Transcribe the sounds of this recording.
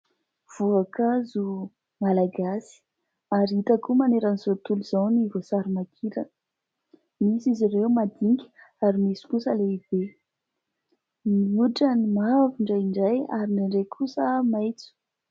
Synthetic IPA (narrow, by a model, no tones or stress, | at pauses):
v̥uakazu | malaɡasi̥ | aɾit̪akumaneɾanizot̪uluz̥anivosaɾimakʰiɾə | misizireumad̪iŋɡʲi̥ | aɾimisi̥kusəleib̥e | miuʈ͡ʂənimaviɳɖ͡ʐajiɳɖ͡ʐajaɾinaɳɖ͡ʐekʰusəmajt͡su̥